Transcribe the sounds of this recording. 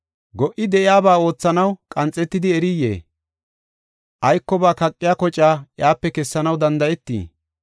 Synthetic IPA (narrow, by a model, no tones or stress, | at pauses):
ɡɔʔɪd̪ɛʔɪjaːbaːo̞ːt͡sːɐnɐwkʼɐnt͡sʼːɛt̪ːɪd̪ɪɛɾɪjːḛː | ʔɐjkːɔbaːkɐkʼːɪjaːkɔt͡ʃʼaːʔjaːpːɛkɛsːɐnɐwd̪ɐnd̪ɐjɛt̪ːḭː